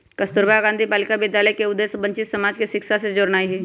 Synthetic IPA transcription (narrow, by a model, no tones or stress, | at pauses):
kɐst̪ʊɾbaɡãnd̪ʱipaːlɪkabɪd̪jaːləjkeʊd̪ːeːsbə̃ɲt͡ʃɪt̪sɐmaːd͡ʒkeʃɪkʃased͡ʒoɾnaːiɦɛː